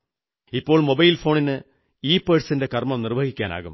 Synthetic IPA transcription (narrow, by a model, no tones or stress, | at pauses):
ipːoːɭmobɐjlfo̞ːɳinɨ | iːpːeːʈsindekɐrmɐmnɪrʋɐɣikʲːaːna̰ːɣṵm